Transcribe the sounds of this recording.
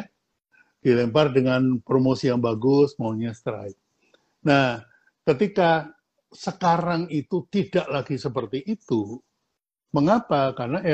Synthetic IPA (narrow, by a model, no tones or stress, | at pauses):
d̥ilɛmpardəŋanpɾomosijaŋbaɡʊsmaoɲast̪ɾa̰jk̚ | nah | kət̪ika | səkaɾaŋit̪ut̪idaʔlaɡisəpərt̪iʔːt̪u | məŋapakarnaʔe